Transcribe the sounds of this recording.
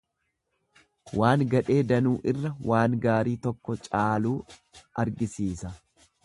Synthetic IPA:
waːŋɡɐᶑe̞ːd̪ɐnuːʔɪrːɐwʔaːŋɡaːɾiːt̪ɔkːɔt͡ʃʼaːluːʔɐɾɡɪsiːsɐ

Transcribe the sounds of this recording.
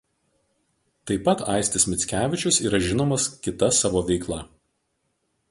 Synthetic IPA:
t̪ɐɪpɐt̪ɑ̰ˑɪsʲt̪ʲɪsʲmʲɪt̪sʲkʲæːʋʲɪt͡ʃʲʊsiːɾɐʒʲɪnoːmɐskʲɪt̪ɐsɑːʋoːʋʲɛɪklˠɐ

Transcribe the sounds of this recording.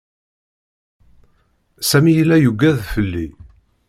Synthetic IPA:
sæmijəlːæjuɡːæðfəlːi

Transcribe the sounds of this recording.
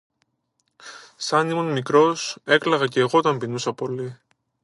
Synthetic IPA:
sɐnimonmikɾo̞se̞klɐɣɐce̞ːɣo̞t̪ɐmpinusɐpo̞li

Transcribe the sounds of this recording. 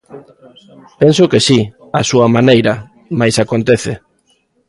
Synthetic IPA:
pensʊkesi | asuɐmanejɾɐ | majsakont̪eθɪ

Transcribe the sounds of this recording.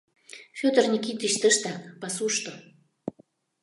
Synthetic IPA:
fʲot̪ərnʲikit̪iʃt̪əʃt̪apɑsuʃt̪o

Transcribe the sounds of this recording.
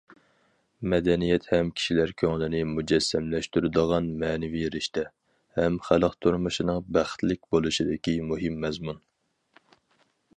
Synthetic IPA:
mɛd̪ɛnijɛt̪hɛmkʲʰi̥ʃilæɾkʲʰøŋlɪnɪmud͡ʒɛsːɛmlɛʃt̪yɾɪd̪əʁɑnmɛːnɪviɾɪʃt̪ʰɛ | hɛmχæləqt̪ʰuɾmuʃinɨŋbæχt̪lɪk̚ʲbolˠuʃid̪ɪkʲimuɦɨmːɛzmun

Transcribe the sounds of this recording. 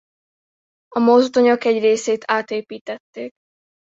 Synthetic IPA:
ɒmozt̪oɲokɛɟreːseːt̪ʰaːt̪eːpiːt̪ɛt̪ːeːk

